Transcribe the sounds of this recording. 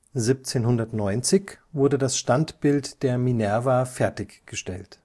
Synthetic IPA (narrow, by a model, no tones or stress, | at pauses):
zip̚t͡seːnhʊndɐtnɔʏnt͡sɪçvʊɐdədasʃtantb̥ɪltd̥eːɐminɛɐvafɛɐtɪçɡ̥əʃtɛlt